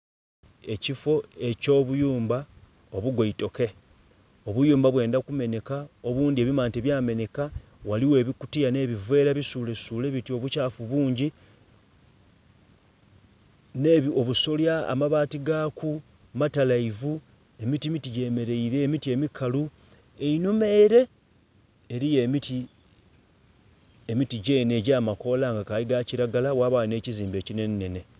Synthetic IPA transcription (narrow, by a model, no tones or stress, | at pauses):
e̞cifo̞e̞co̞ːβujuːmba | oβuɡwoito̞ke̞ | oβujuːmbaβwe̞ːndakume̞ne̞kao̞βuːndie̞ːβimaːnteβjaːme̞ne̞ka | waliwe̞ːβikutijane̞ːβivwe̞ːɾaβisuːle̞suːle̞βitio̞βucaːfuβuːɲɟi | neβio̞βuso̞lja̰ːmaβaːtiɡaːku | matalaivu | e̞mitimitiɟe̞ːme̞ɾe̞iɾe̞ːmitie̞mikʰalu | e̞inume̞ːɾe̞ | eɾije̞miti | emitiɟeneːɟaːmako̞laŋɡakaliɡaciɾaɡalawaːβaːline̞ːciziːmbe̞ːcine̞nːe̞ne̞